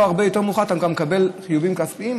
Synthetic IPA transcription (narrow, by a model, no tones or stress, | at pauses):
aʁbejo̞t̪e̞ʁmuχat̪amkamekabe̞lχijuvimkaspiim